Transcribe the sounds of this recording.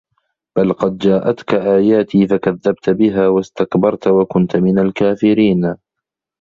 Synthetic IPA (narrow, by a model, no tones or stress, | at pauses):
b̥alqɑd̪̚d͡ʒaːʔat̪kaʔaːjaːt̪ʰiːfakaðːabt̪bɪɦaːwast̪akbɑɾˤt̪wakʊnt̪mɪnalkaːfɪɾiːn